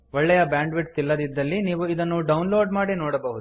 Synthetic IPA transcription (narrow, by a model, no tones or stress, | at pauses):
ʋɔɭːɛjɐbaːɳɖʋiʈ̚t̪ilːɐd̪id̪ːɐlːiniːʋuid̪ɐnːuɖɐwnloːɖmaːɽinoːɽɐbɐɦud̪u